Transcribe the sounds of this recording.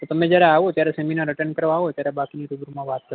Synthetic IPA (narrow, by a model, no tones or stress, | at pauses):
t̪ot̪əmed͡ʒjaɾɛaʋot̪jaɾɛsɛminaɾəʈənkəɾʋãɦot̪jaɾɛbakiniɾuɡɾumãʋat̪̚kəɾ